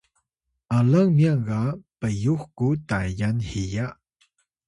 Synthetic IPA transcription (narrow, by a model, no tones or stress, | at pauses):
ʔalaŋmjaŋɡapəjuxkutajanhija